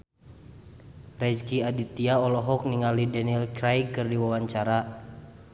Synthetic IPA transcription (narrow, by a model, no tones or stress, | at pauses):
rɛd͡ʒkiadit̪iaɔlɔɦɔk̚niŋalidɛnilkɾajkɨrdiwawaɲt͡ʃaɾa